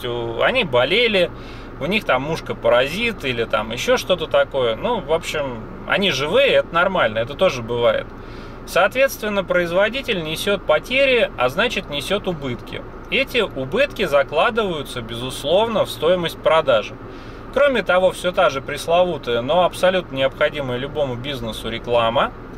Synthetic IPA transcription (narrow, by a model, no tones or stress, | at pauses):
ʊɐ̰nʲibɐlʲelʲɪ | ʊnʲixt̪amːuʂkəpəɾɐzʲit̪ilʲɪt̪a̰mjɪɕːo̞ʂt̪o̞t̪ət̪ɐko̞jənuvo̞pɕːɪm | ɐ̰nʲiʐɨvɨjəɛt̪ənɐrmalʲnəɛt̪ət̪o̞ʐɨbɨvajɪ̰t̪̚ | sɐːt̪vʲe̞t̪st̪vʲɪnːəpɾəɪzvɐdʲitʲɪlʲnʲɪsʲo̞t̪̚pɐtʲeɾʲɪɐ̰znat͡ɕɪt̪nʲɪsʲo̞t̪ʊbɨt̪kʲɪ̰ | ɛtʲɪʔʊbɨt̪kʲɪzɐklˠad̪ɨvəjʊt̪səbʲɪzʊslˠo̞vnəfst̪o̞jɪməsʲt̚ʲpɾɐd̪aʐɨ | kɾo̞mʲɪt̪ɐvo̞fsʲo̞t̪aʐɨpɾʲɪslˠɐvut̪əjəno̞ɐpsɐlʲut̪̚nənʲɪɐpxɐdʲiməjəlʲʊbo̞mʊbʲiznəsʊɾʲɪklˠamə